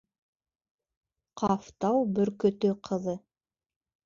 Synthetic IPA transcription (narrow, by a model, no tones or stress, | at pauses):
qʰɑft̪ɑwbɵ̆ɾkɵ̆t̪ɵqʰɤ̆ðɤ